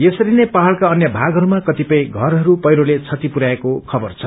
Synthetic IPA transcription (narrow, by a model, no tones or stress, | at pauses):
jesʌɾinepaɦʌɭkaʌnjʌbʱaɡʱɦʌɾumakʌt̪ipʌj̃ɡʱʌɾɦʌɾupʌjɾolet͡sʰʌt̪ipuɾaekokʰʌbʌrt͡sʰʌ